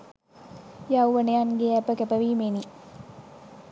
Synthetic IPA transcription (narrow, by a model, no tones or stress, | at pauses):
jawʋəneaŋɡeæpəkæpəʋiːmeni